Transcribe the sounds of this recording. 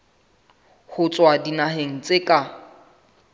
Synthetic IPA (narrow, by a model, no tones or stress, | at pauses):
hʊt͡sʼwadinaɦeŋ̩t͡sʼekʼa